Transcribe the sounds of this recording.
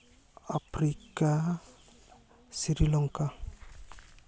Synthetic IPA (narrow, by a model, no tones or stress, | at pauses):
apɾika | siɾilɔŋka